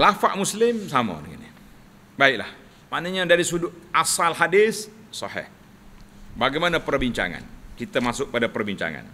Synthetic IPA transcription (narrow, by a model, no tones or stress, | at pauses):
lafaʔmuslɪmsamə̰dəŋa̰ni | baɪk̚la̰h | manəɲadaɾisudʊasalɦadɪs | sɑhɪ̰h | baɡajmanapərbiɲt͡ʃa̰ŋa̰nkit̪amasʊk̚padapərbiɲt͡ʃa̰ŋa̰n